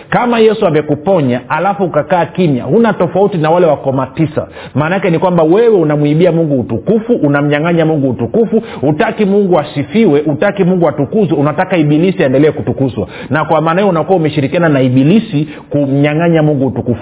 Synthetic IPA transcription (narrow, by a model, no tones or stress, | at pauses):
kamajɛsuabɛkupɔɲaalafuukakaːkinja̰hunatɔfautinawalɛwakɔmatisa̰ | maːnaakɛnikwambawɛwɛunamwiɓiamuŋɡuːtukufuʔːnam̩ɲaŋaɲamuŋɡuːtukufuutakimuŋɡuasifiwɛʔutakimuŋɡuatukuzwɛunatakaiɓilisiaɛndɛlɛːkutukuzwa̰ | nakwamaːnajɔunakuaumɛʃiɾikiananaiɓilisi | kum̩ɲaŋaɲamuŋɡuutukufu̥